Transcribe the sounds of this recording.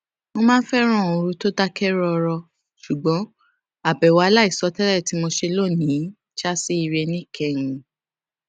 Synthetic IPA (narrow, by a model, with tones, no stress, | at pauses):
mo˧mãː˦n̩˦fɛ˦ɾ̃ɔ̃˦˨˧o˧ɾu˧to˦da˦kɛ˦ɾɔ˦˧ɾɔ˧ | ʃu˨ɡ͡bɔ̃˨˦ | a˨bɛ˨wa˨˧la˦i˦˨sɔ˧˦tɛ˦ɾɛ˦˨ti˨˦mo˧ʃe˧lo˦˨nĩ˨˦ | ʃa˦si˦i˧ɾe˧nĩ˦˨kʰɛ˦˨ŋ̃ũ˧